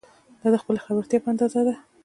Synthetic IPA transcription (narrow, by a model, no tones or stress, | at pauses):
d̪̥ɑd̪əxpəlaxabaɾt̪jɑpəand̪ɑzad̪a